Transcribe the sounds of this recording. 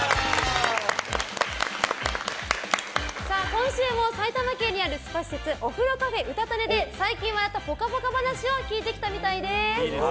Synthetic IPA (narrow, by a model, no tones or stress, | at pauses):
saːkõ̞ɰ̃ɕɨːmo̞sait̪amakẽ̞ɲ̟ːiaɾɯ̟sɨ̥paɕi̥set͡sɨʔo̞ɸɯ̟ɾo̞kaɸe̞ʔɯ̟t̪at̪ane̞d̪e̞saikʲĩɰ̃βad̪at̪apo̞kaɸo̞kabanaɕio̞kʲiːt̪e̞kʲi̥t̪amʲit̪aid̪e̞